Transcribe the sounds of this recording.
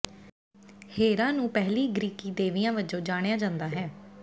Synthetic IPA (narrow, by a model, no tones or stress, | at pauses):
heːɾãːnũːpɛɦliːɡɾiːkiːd̪eːʋijãːʋəd͡ʒõːd͡ʒaːɽ̃jaːd͡ʒãːnd̪aːɦɛː